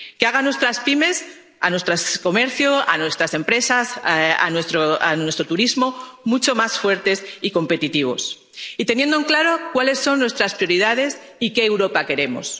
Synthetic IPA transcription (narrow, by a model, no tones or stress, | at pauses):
keaɣanwe̞st̪ɾaspime̞s | a̰nwe̞st̪ɾasko̞me̞ɾθjoa̰nwe̞st̪ɾase̞mpɾe̞sasa̰nwest̪ɾoanwe̞st̪ɾot̪uɾizmo̞mut͡ʃo̞masfwe̞ɾt̪e̞siko̞mpe̞t̪it̪iβ̞o̞̰s | it̪e̞nje̞nd̪oŋklaɾo̞kwale̞sːo̞nːwe̞st̪ɾaspɾijoɾiðað̞e̞sike̞ːwɾo̞pake̞ɾe̞mo̞̰s